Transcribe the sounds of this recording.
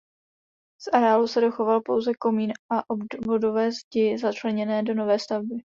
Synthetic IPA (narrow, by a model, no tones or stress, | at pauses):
sʔaɾaːlusɛdo̞xo̞valpo̞wzɛko̞miːnʔaʔobdvo̞do̞vɛːzɟɪzat͡ʃlɛɲɛnɛːdo̞no̞vɛːst̪avbɪ